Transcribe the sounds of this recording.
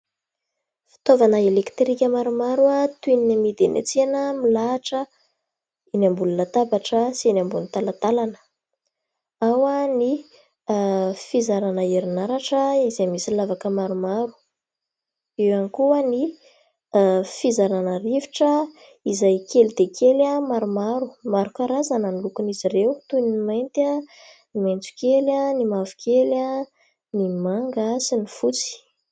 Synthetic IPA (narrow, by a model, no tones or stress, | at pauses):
fi̥t̪ovanəelekt̪rikʲəmaɾumaɾuat̪uininamid̪enʔḛt͡senəmilaːʈ͡ʂə | inambulunət̪abaʈ͡ʂəsinambulnt̪alat̪alanə̥ | awani | fizaɾanəeɾinaɾaʈ͡ʂəizamisilavakəmaɾumaɾu̥ | ewanikuəni | fizaɾanərivi̥ʈ͡ʂə | izajkʰelid̪ekʰelamaɾumaɾumaɾukaɾazanənilukunizirewt̪uninimajnt̪a | nimajnt͡su̥kelanimavu̥kʰela | nimaŋɡasinifut͡si̥